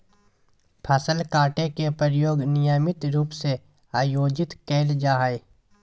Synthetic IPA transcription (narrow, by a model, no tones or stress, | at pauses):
pʰasəlkaːʈẽkepəɾjoːɡnɪjaːmɪt̪ɾuːpse | aːjoːd͡ʒɪt̪kɛːld͡ʒaːɦe